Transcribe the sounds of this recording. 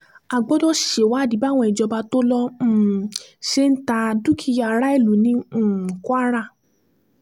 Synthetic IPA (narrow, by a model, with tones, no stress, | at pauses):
a˨ɡ͡bɔ˨˦dɔ˦ʃe˨wa˨˦˨di˨˦ba˦˨w̃ɔ̃˧i˨d͡ʒɔ˧ba˧to˦lɔ̃˧˨ʃe˦n̩˦ta˧du˦kʰi˧ja˧˨ɾa˦i˦˨lu˨˦nĩ˧˦˨kwa˦ɾa˦˨